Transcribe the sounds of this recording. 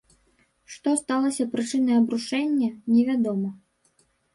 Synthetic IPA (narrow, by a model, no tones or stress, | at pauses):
ʂt̪ɔst̪alˠɐsʲɐpɾɨt͡ʂɨnɐjɐbɾuʂɛnʲːɐnʲɛvʲad̪ɔmɐ